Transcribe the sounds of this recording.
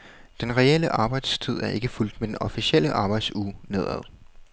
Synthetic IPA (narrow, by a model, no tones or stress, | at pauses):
d̥enʁɛel̰əʔɑ̈ːb̥ɑ̈ɪd̥st͡sʰið̞̰ˠæɐʔe̝ɡ̥əful̰d̥med̥enɒ̽fisiel̰əʔɑ̈ːb̥ɑ̈ɪ̥sune̝ð̞̰ˠæðˠ